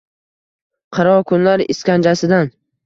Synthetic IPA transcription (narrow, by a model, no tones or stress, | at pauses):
qʰɑɾɒkʰʊnlaɾɪ̰skʲand͡ʒasɪd̪an